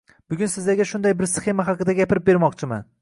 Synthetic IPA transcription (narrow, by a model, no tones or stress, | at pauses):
b̥ʊɡʲʊnsɪzd̪aɡʲaʃʊnd̪ajbɪɾsχe̞maɦɑqɨd̪aɡʲapʰɪɾɪp̚be̞ɾmɒqt͡ʃʰɪma̰n